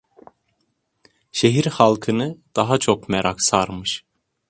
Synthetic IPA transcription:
ʃeɦiɾhalˠkʰɯnɯd̪̥aɦat͡ʃʰokmɛɾʔaksaɾmɯʃ

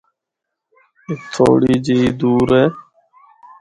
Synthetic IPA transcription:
et̪ʰo̰ːɽiːd͡ʑiid̪uːɾeː

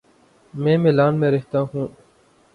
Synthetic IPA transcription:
mẽːmelaːnmẽːɾɪɦt̪aːɦũː

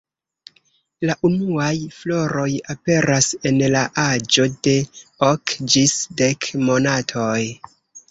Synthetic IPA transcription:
laʔunuajflo̞ɾo̞jape̞ɾʔase̞nlaʔad͡ʒo̞de̞okd͡ʒisde̞kmo̞natʰo̞j

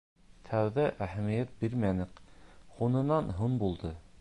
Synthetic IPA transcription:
t̪ʰæwðæʔæhæmijæt̪̚biɾmænɘqχunɤ̆nɑnɦunbulˠd̪ɤ

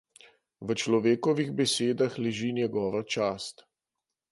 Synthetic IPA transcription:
ʋət͡ʃlɔʋeːkɔʋiɣbɛseːd̪axlɛʒiːnjɛɡɔːʋat͡ʃaːst̪

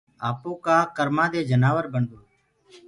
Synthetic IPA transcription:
aːpoːkaːkəɾmãːd̪eːd͡ʒənaːʋəɾbəɳd̪oː

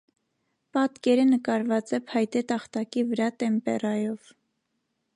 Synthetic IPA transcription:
pɑt̪kɛɾənəkɑɾvɑt͡sɛpʰhɑjt̪ɛt̪ɑχt̪ɑkivəɾɑt̪ɛmpɛ̰rɑjɔv̥

